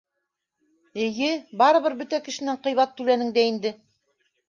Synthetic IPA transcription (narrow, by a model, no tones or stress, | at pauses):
ɘ̆jɘbɑɾɤ̆βɤɾbɵt̪ækɘ̆ʃɘ̆næɴqɤ̆jβɑt̪ːʉlænɘŋd̪æind̪ɘ